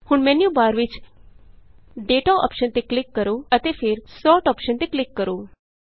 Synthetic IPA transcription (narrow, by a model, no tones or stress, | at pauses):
hʊɳmɛːnjuːbaːɾʋɪt͡ʃ | ɖeːʈaːɔ̰ːpʃənt̪eːklɪkːəɾoːət̪eːpʰɪɾsɔːʈɔːpʃənt̪eːklɪkːəɾoː